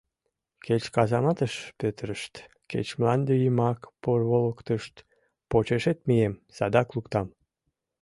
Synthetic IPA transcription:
ket͡ɕkɑzɑmɑt̪əʃpøt̪əɾəʃt̪ | kḛt͡ɕmlɑnd̪yjəmɑkporβoləkt̪əʃt̪ | pot͡ɕeʃet̪mijemsɑd̪ɑklukt̪ɑm

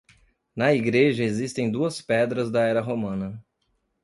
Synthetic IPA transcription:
nɐiɡɾeʒɐezist̪ẽj̃d̪uɐspɛd̪ɾɐzd̪ɐɛɾɐɦomɐ̃nɐ

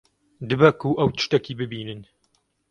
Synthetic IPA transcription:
d̪ɨbɐkuːʔɐwt̪ɨ̥ʃt̪ɐkiːbɨbiːnɨn

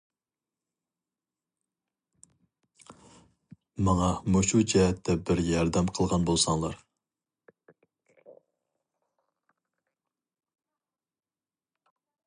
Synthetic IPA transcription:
mɑŋɑmoʃud͡ʒɛɦɛt̪ʰːɛbɪɾjɑɾd̪ɛmqʰəlˠʁɑnbolˠsɑŋlˠɑɾ

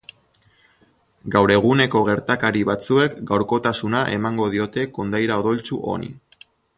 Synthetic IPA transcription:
ɡawɾe̞ɣ̞une̞ko̞ɣ̞e̞ɾt̪akaɾiβat͡sue̞kɡawɾko̞t̪asunaʔe̞maŋɡo̞ðio̞t̪e̞ko̞nd̪ajɾaoð̞o̞lt͡suʔo̞̰nḭ

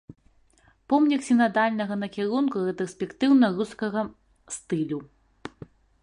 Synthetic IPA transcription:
pɔmnʲiksʲinad̪alʲnɐɣɐnɐkʲɛɾunkurɛt̪ɾɐsʲpʲɛkt̪ɨwnɐruskɐɣɐ | st̪ɨlʲu

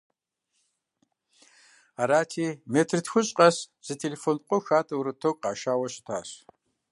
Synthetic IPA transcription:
aːɾaːtʰiːmetʰrɨtʰxʷʊɕʼqʼɐs | z̥ɨtʰeːlefoːnqʷʼɔxaːtʰʼɐwɾɨtʰokʼqɑːʃaːwɐɕɪ̥tʰa̰ːɕ

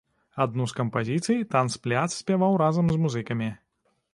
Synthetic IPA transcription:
ad̪nuskɐmpazʲit̪sɨjit̪ansplʲat̪ssʲpʲavawɾazɐmzmuzɨkɐmʲi

